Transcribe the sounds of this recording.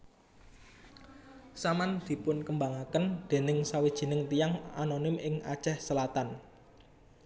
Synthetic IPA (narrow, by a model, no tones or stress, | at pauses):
samand̪̥i̤pʊnkəmbaŋakənd̪̥e̤nɪŋsawid̥ʒ̥i̤nɪŋt̪ijaŋa̰nonɪmɪŋa̰̥ʒ̥ɛhsəlat̪an